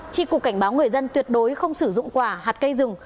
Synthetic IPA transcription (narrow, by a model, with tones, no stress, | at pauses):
t͡ɕḭ˧˥ku˨˩kːa˧˩jŋ̟ɓaː˨˦wŋɨ˨˩əjzə˧nt̪wi˨˩ət̚ɗo˨˦jxə˧wŋ͡msɨ˧˩zʊ̰˧˨ŋ͡mkwaː˧˩haː˨˩t̚kə˧jzɨ˨˩ŋ